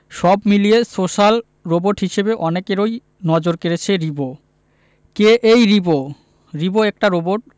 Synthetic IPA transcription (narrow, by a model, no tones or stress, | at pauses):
ʃɔbmiliesoʃal | ɾoboʈɦiʃebeʔɔnekeɾoj | nɔd͡ʑoɾkeɾet͡ɕʰeɾibo | keʔejɾibo | ɾiboɛk̚ʈaɾoboʈ̚